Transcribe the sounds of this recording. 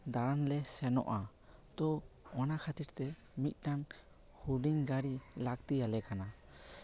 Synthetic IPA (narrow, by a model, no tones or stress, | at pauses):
d̪aɾanlɛsɛnɔ̰ʔa | t̪ɔɔnakʰat̪iɾt̪ɛ | mit̪̚ˀʈan | huɖiŋɡaɽilakt̪ialɛkana